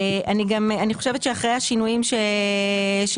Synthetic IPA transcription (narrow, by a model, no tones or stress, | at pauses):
ʔaniɡamaniχo̞ʃevetʃeaχʁejhaʃinujimʃe | ʃ